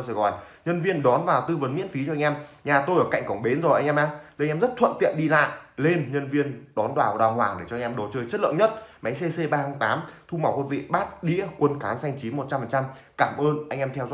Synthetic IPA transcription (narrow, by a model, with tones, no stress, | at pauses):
sɛ˧˩ɣɔ˨˩jɲə˧nvi˧ənɗɔ˨˦nvaː˨˩wt̪ɨ˧və˨˦nmḭ˧˥ənfi˨˦t͡ɕɔ˧jŋʔɛ˧mɲaː˨˩t̪o˧jʔəː˧˩ka̰˧˨ŋkə˧˩wŋ͡mɓe˨˦nzɔ˨˩jʔa˧ŋ̟ʔɛː˧ʔaː˧jŋʔɛː˧mzə˦˥t̚t̪ʰwə̰˧˨nt̪ḭ˧˨ənɗi˧la̰ː˧˨jle˧nɲə˧nvi˧ənɗɔ˨˦nɗwaː˨˩wɗaː˨˩hwaː˨˩ŋɗe˧˩t͡ɕɔ˧ŋʔɛ˧mɗo˨˦t͡ɕəː˧jt͡ɕə˦˥t̚lɨ̰˧˨ŋɲə˦˥t̚ma˨˦jse˧se˧ɓaː˧ha˨˧˦ŋt̪aː˨˦mt̪ʰu˧ma˨˧˩wko˨˩t̚vḭ˧˨ɓaː˦˥t̚ɗḭ˧˥əkwə˧nkaː˨˦nsa˧jŋ̟t͡ɕi˨˦mo˨˩t̚t͡ɕa˧mfəː˨˩nt͡ɕa˧m | kaː˧˩mʔəː˧nʔa˧jŋʔɛ˧mt̪ʰɛ˧wzɔ̰˧